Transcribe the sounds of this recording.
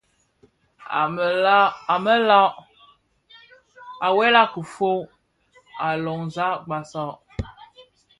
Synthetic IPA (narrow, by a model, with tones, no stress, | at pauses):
a˨mə˦la˦ʔ | a˨wɛ˦la˦kə˨fo˦ | a˨lɔ˨ŋza˦ʔɡ͡ba˨sɔ˦˨ʔ